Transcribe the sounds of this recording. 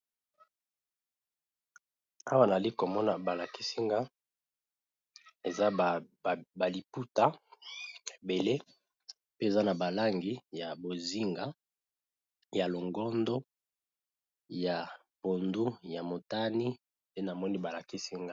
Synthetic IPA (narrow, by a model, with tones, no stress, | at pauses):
a˦wa˦na˨li˦ko˨mɔ˦na˨ba˨la˨ki˦si˦ŋɡa˦ | e˨za˦˨ba˨li˨pu˦ta˦˨ | be˨le˦ | pe˦e˨za˦na˨ba˨la˦ŋɡi˦ja˨bo˨zi˦ŋɡa˦ | ja˨lo˨ŋɡɔ˦ndo˦ | ja˨ | po˨ndu˦ja˨mo˨ta˦ni˦ | de˦na˨mɔ˦ni˦ba˨la˨ki˦si˦ŋɡa˦